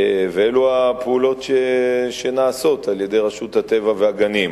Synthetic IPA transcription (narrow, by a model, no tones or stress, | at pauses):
veeluapeulo̞tʃeʃenaːso̞tʰaljede̞jʁaʃuthate̞vaveaɡanim